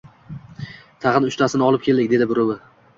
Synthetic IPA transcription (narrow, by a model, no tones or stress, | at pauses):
t̪ʰɑʁɨnʊʃt̪ʰasɪnɪɒlˠɪp̚kʲʰe̞ld̪ɪkʲd̪e̞d̪ɪbʊɾʊwɪ